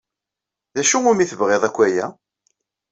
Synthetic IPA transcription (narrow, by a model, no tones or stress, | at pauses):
ðæʃuʊɾmiθəvʁeðˤækʷːæjæ